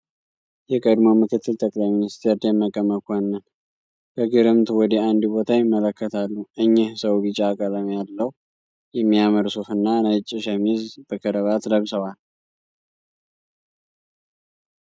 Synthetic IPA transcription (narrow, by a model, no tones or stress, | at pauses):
jɛkʼəd̪mo̞mɨkʰɨt̪ːɨlt̪ʼəkʼlajminist̪ʰeɾd̪əmːəkʼəməkʰʷanːən | kəɡɨɾɨmt̪wɔd̪əand̪bo̞t̪ʰajɪmːələkːət̪ʰalːuʔɨɲːɛhsəwβɨt͡ʃʼaːkʼələmjalːəh | jɛmːiaməɾsufɨnːanat͡ʃʼːɪʃəmizb̥əkʰəɾəβat̪ləβsəwal